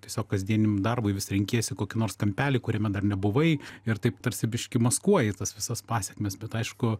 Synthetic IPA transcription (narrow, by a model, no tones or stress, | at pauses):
t̪ʲiɛsʲoːkkːɐzʲd̪ʲiɛnʲɪmd̪ɐrbʊɪʋʲɪsʲɾʲɪŋʲkʲiɛjsʲɪkoːkʲɪnoːrskɐmʲpʲæːlʲɪkʊɾʲɛmʲɛd̪ɐrnʲɛbʊʋɐɪɪrt̪ɐɪpt̪ɐɾʲsʲɪbʲɪʃʲkʲɪmɐskuɔjɪt̪ɐsʋʲɪsɐspɑːsʲɛkmʲɛsbʲɛt̪ɐɪʃkʊ